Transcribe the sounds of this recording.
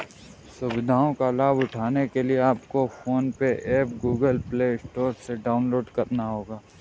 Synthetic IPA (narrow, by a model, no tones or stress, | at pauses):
sʊbɪd̪ʱaːõkalaːbʊʈʰaːnekelieaːpkofoːnpeʔɛːpɡuːɡəlpleːɪsʈoːɾseɖaːʊnloːɖkɐɾnaɦoːɡaː